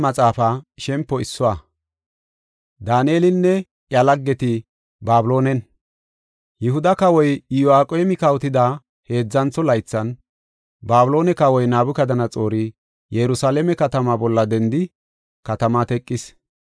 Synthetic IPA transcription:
mɐt͡sʼaːfaʃɛmpːɔɪsːʊwa | d̪aːnieːlɪnːɛ | ʔjɐlɐɡːɛt̪ɪ | baːbʊlo̞ːnɛn | jɪɦʊd̪ɐkɐwɔjɪjɔaːkʼeːmɪkɐwt̪ɪd̪a | he̞ːd͡zːɐnt͡sːɔlɐjt͡sːɐn | baːbʊlo̞ːnɛkɐwɔjnaːbʊkɐd̪ɐnɐt͡sʼo̞ːɾɪ | jɛɾʊsaːlɛmɛkɐt̪ɐmabɔlːɐd̪ɛnd̪ɪ | kɐt̪ɐmat̪ɛkʼːɪs

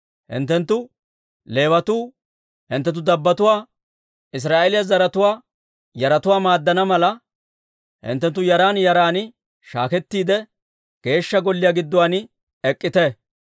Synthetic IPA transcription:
hɪ̰nt̪ːɛnt̪ːʊ | le̞ːwɐt̪uː | hɪnt̪ːɛt̪̬ːʊd̪ɐbːɐt̪ʊwaː | ɪs̬ɾaːʔelɪjɐzɐɾɐt̪ʊwaː | jɐɾɐt̪ʊwaːmaːd̪ːɐnɐmɐlɐ | hɪ̰nt̪ːɛnt̪ːʊjɐɾaːnjɐɾaːnɪ | ʃa̰ːkɛt̪ːiːd̪ɛ | ɡ̥e̞ːʃːɐɡɔlːɪjaːɡɪd̪ːɔwaːnɪ | ɛkʼːɪt̪ɛ

